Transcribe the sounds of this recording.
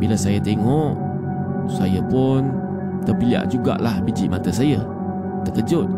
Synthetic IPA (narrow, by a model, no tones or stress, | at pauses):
bilasajət̪eŋɔʔ | sajəpʊn | t̪ərpilia̰ʔd͡ʒuɡa̰ʔlahbid͡ʒiʔmat̪əsajə | t̪əkəd͡ʒʊt̪̚